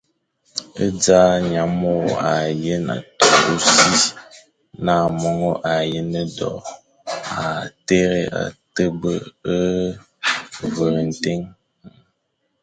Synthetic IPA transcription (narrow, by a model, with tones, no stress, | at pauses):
ə˦d͡za˦ɲa˨˦mo˦˨a˨je˦na̰˨to˨o˦si˦s | na˦˨mɔ˦ŋo˦ʔa˨je˦nə˦dɔ̰˨ | a˨te˦ɾe˦ʔa̰˨tə˦bə˦ə˦ | və˨ɾə˨n̩˨te˦ŋ